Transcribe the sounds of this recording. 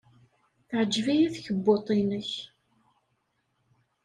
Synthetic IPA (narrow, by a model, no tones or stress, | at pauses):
θʕəd͡ʒːvijæθçəbːot̪ˤinəç